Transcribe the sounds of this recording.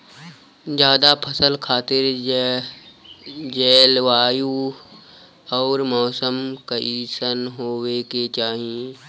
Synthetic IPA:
d͡ʒjaːd̪apʰəsəlkʰaːt̪ɪɾ | d͡ʒeːlʋaːju | ɔːɾmɔːsəmkaʔiːsənɦoːweket͡ʃaːɦie

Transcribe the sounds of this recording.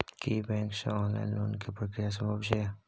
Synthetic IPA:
kibɛ̃ːŋksḛɔːnla̰ɪnloːnkepɾokɾɪjas̬ɐmʱabʃe

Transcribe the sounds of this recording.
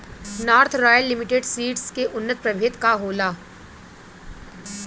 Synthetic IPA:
naːɾt̪ʰɾɔːjəlːɪmɪʈeɖsiːʈskeʔʊnːət̪̚pɾɐbʱeːt̪kaɦoːlaː

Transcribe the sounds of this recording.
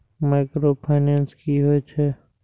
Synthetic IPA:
maɪkɾoːpʰaɪnẽːnskiɦoet͡ʃʰe

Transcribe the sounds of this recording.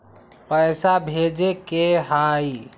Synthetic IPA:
pəjsabʱed͡ʒekeɦai

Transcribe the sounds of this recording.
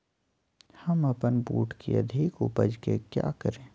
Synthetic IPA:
hɐmɐpənbuːʈkḭɐ̰d̪ʱɪkʊpəd͡ʒkḛkja̰ːkəɾẽː

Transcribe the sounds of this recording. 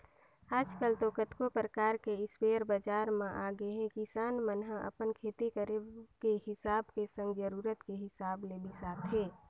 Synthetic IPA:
aːd͡ʒkəlt̪okət̪kopɾəkaːɾkeɪsweɾbad͡ʒaːɾmẽʔaːɡeɦɛ̃kisaːnmənɦə̃ʔə̰pənkʰeːt̪ikəɾekehɪsaːbkesə̃ŋɡd͡ʒəɾuːɾət̪keɦɪsaːblebisaːt̪ʰɦeː

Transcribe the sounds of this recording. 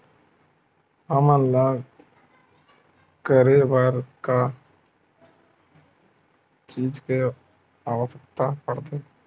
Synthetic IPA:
ɦəmənla | kəɾebaɾka | t͡ʃiːd͡ʒke | aːwəsəkt̪apəɾd̪eː

